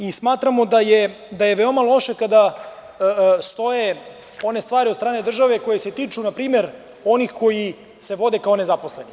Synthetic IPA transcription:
ismaːt̪ɾamo̞d̪aje | d̪aje̞ʋeo̞malˠo̞ʃe̞kad̪a | st̪o̞je̞ | o̞ne̞st̪ʋaːɾiot̪ɾaːne̞d̪r̩ʒaʋe̞ko̞jese̞t̪iːt͡ʃunapɾiːme̞ɾ | o̞nixko̞ji | se̞ʋo̞d̪e̞kao̞ne̞zapo̞sleni

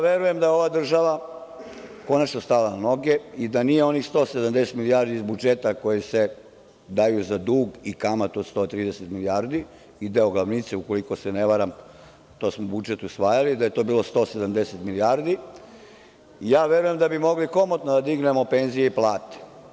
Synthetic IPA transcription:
jaʋeɾuje̞md̪ajeoʋaːd̪r̩ʒaʋa | ko̞nat͡ʃnost̪alanano̞ɡe̞id̪anijeo̞nixst̪o̞ːsed̪amd̪eset̪milijaɾd̪iizbud͡ʒet̪ako̞jese | d̪ajuzad̪uːɡikamat̪od̪st̪o̞ːt̪ɾiːd̪eset̪miliaɾd̪i | id̪eoɡlˠaʋnit̪seuko̞liko̞seneʋaɾam | t̪o̞ːsmobud͡ʒet̪usʋaːjalid̪aje̞t̪o̞ːbiːlo̞st̪o̞ːsed̪amd̪e̞set̪miliaɾd̪i | ijaːʋe̞ɾuje̞md̪abimo̞ɡliko̞mot̪nod̪ad̪iɡne̞mo̞pe̞nzijeiplˠaːt̪e̥

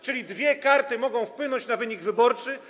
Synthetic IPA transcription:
t͡ʂɘlʲid̪vʲjɛkaɾt̪ɘmɔɡɔ̃w̃fpwɘnɔɲt͡ɕnavɘɲiɡvɘbɔɾt͡ʂɘ

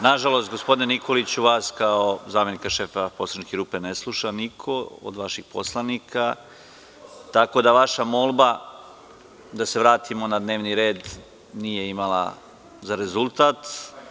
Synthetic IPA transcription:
naʒalo̞st̪ɡo̞spod̪inenikʰo̞lit͡ɕuʋaːskaozaːmje̞nikaʃeːfaposɾankeɾuːpe̞neslˠuʃanikʰoo̰d̪ʋaʃixpo̰slˠanikʰa | t̪ako̞d̪aʋaʃamo̞lˠba | d̪ase̞ʋɾaːt̪ʰimo̞nad̪ne̞ːʋniɾe̞ːd̪ | nije̞imala̰ | zaɾe̞zulˠt̪aːt̪

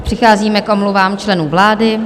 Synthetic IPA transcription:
pr̥ɪxaːziːmɛkʔo̞mluvaːmt͡ʃlɛnuːvlaːdɪ

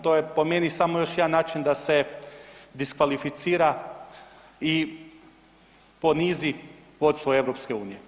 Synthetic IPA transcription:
t̪ojepo̞menisamojo̞ʃjed̪anːaːt͡ʃind̪ase̞ | d̪iskʋalifit̪siːɾa | i | po̞nizi | ʋo̞t̪st̪ʋoe̞ʋɾopske̞uːnije̞

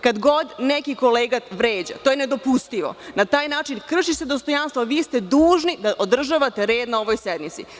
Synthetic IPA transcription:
kad̪ɡo̞d̪nekiko̞leːɡat̪ʋɾeːd͡ʑa̰t̪ojened̪o̞pust̪iʋo̞̰nat̪aːjnaːt͡ʃinkr̩ʃised̪o̞st̪o̞janst̪ʋoʋiːst̪e̞d̪uːʒnid̪aʔod̪r̩ʒaʋat̪e̞ɾe̞ːd̪nao̞ʋojsed̪mit̪sḭ

